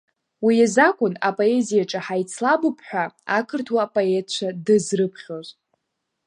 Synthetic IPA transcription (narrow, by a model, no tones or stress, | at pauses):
wijazakʷʼʊnapʼo̞e̞zijaʈ͡ʂʼaħajt͡sʰlabɨpʰħʷᶣaakʰɨrtʰwaːpʼo̞etʰt͡ʃʷʰadɨzrɨpʰχʲoz